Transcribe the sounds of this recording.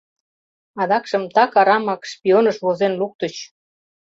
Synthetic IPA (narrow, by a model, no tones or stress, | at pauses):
ɑd̪ɑkʃəmt̪ɑkɑɾɑmɑkʃpʲionəʃβozenluk̚t̪ət͡ɕ